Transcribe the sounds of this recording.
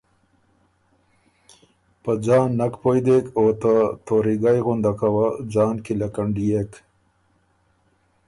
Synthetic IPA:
pəd͡ʑɑːnːɐkpojd̪ekoːt̪at̪oɾiɡajɣund̪akawad͡ʑaːnkilɐkɐɳɖijek

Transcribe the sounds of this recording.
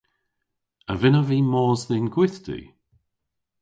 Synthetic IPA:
əvɪnəviːmɔːzðɪnɡwɪθd̪ḭ

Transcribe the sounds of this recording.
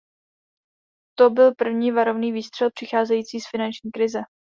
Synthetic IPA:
t̪obɪlpr̩vɲiːvaɾo̞vniːviːst̪r̝̥ɛlpr̥ɪxaːzɛjiːt͡siːsfɪnant͡ʃɲiːkɾɪzɛ

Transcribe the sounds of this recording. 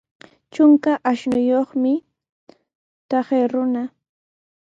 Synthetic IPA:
t͡ʃʊŋkaʔaʃnʊjoχmɪ | t̪ɑχeɾʊna

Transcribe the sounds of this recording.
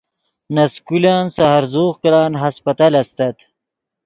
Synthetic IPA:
nɐskulaːnsaɦaɾzoːχkɐlaːnɦɐspɐt̪aːlɐst̪ɐt̪

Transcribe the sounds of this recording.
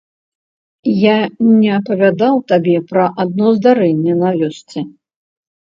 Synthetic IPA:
janʲɛɐpɐvʲad̪awt̪abʲɛpɾɐʔad̪̚nɔzd̪aɾɛnʲːɛnavʲɔsʲt͡sʲɛ

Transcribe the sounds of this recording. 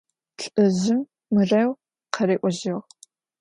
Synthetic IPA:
ɬʼɨzɪmː | ɨrɐw | qɐreːʔʷɔʑɪʁ

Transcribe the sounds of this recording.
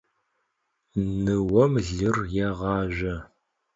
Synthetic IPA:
nɨwɐmɮɨrjɛʁɑːʒɐ

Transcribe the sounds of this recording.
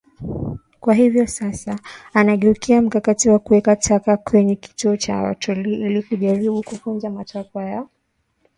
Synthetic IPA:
kwaɦivjɔsasaːnaɠɛukiam̩kakatiwakuwɛkatʰakakʰwɛɲɛki̥tuɔt͡ʃa̰a̰tʰɔliilikuʄaɾiɓukufunzamatakwajaɔ

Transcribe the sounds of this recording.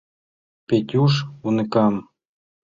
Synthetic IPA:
pʲetʲuʃunɘkɑm

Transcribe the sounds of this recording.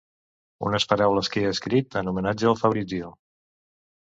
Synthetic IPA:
ṵnəspəɾawləskeəəskɾit̪ənumənad͡ʒəəlˠfəβɾid͡zio

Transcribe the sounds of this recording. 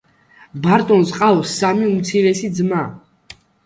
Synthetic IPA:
baɾt̪ʼɔnsqʼaɔsːamiumt̪sʰiɾɛsid̪zma

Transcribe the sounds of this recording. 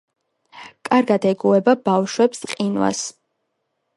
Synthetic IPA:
kʼaɾɡad̪ɛɡuɛbabafʃwɛpsqʼinwa̰s

